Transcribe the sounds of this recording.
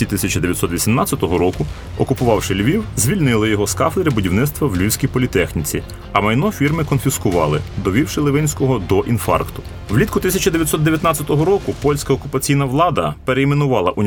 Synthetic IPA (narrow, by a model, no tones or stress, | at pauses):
it̪ɪsʲɐt͡ʃɐd̪eʋjɐtsɔt̪ʋʲisʲimnɑt͡sʲːɐt̪ɔɦɔɾɔkʊ | ɔkʊpʊʋɑwʃɪlʲʋʲiwzʲʋʲilʲnɪlˠɪjɔɦɔskɑfed̪ɾɪbʊdʲiwnɪt̪st̪ʋɐwlʲʋʲiwsʲkʲijpɔlʲit̪ɛxnʲit͡sʲi | ɐmɐjnɔfʲirmɪkɔnfʲiskʊʋɑ̰lˠɪ̰d̪ɔʋʲiwʃɪlˠɪʋɪnʲsʲkɔɦɔd̪ɔʔinfɑ̰rkt̪ʊ̥ | wlʲit̪kʊt̪ɪsʲɐt͡ʃɐd̪eʋʲjɐt̪ʲsɔt̪d̪eʋʲjɐt̪nɑt͡sʲːɐt̪ɔɦɔɾɔkʊpɔlʲsʲkɐɔkʊpɐt͡sʲijnɐʋlˠɑd̪ɐpeɾeimenʊʋɑlˠɐʔʊnʲ